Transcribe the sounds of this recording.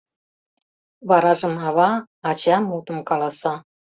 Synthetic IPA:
βɑɾɑʒə̆mɑβɑː | t͡ɕɑmut̪ə̆mkɑlˠɑsɑ

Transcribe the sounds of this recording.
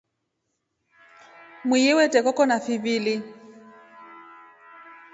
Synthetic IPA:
mwijɪwɛtʼɛkɔkɔnafɪβiːlɪ

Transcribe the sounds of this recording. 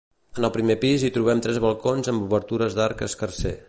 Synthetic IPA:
ənəlˠpɾimepizit̪ɾuβ̞ɛmt̪ɾɛzβəlˠkonzəmbuβəɾt̪uɾəzðaɾkə̰skərsḛ

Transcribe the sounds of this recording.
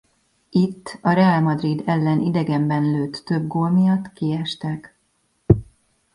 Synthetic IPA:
it̪ːɒɾɛalmɒd̪rid̪ɛlːɛnʔid̪ɛɡɛmbɛnløːt̪ːø̞bɡoːlmijɒt̪ːkiɛʃt̪ɛk

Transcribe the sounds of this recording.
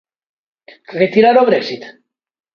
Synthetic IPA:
ret̪iɾaɾoβɾeksit̪

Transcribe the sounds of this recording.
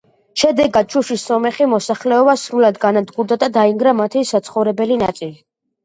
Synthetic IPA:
ʃɛd̪ɛɡat̪̚t͡ʃʰuʃisːɔmɛχimɔsaχlɛɔbasɾulad̪ɡanad̪ɡuɾd̪ad̪ad̪aiŋɡɾamat̪ʰisat̪sʰχɔvɾɛbɛlina̰t̪sʼili

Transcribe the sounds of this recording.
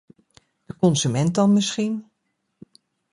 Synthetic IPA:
d̥əkɔnsymɛnt̚dɑnmɪsχin

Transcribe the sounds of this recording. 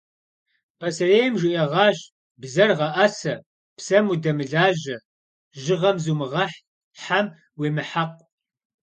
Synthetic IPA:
pʰɐsɐreːjmʒiʔɐʁɑːɕ | bzɐrʁɐʔɐsɐ | psɐmudɐmɨɮaːʑɐ | ʒɪʁɐmzuːmɨʁɐħ | ħam | weːmɨħaqʷʼ

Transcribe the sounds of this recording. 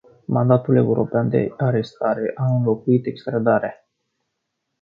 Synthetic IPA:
mand̪at̪ule̞uɾo̞̰peand̪e̞̰aɾe̞st̪aɾe̞ʔaɨnlo̞kuit̪e̞kst̪ɾad̪aɾe

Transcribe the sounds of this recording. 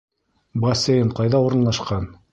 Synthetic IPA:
bɐsʲejɘɴqɑjðɑuɾɤ̆nlˠɑʃqɑn

